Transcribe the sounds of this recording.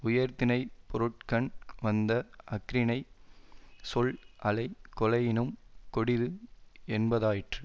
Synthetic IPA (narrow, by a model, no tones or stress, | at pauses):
ʊjɐɾt̪ɪnɐɪpɔɾɯʈ̚kɐɳʋɐnd̪ɐɐkɪɾɪnɐɪ | sɔɭʔɐlɐɪkɔlɐjɪnɯmkɔɽɪðɯɛnbɐðaːjɪʈrɯ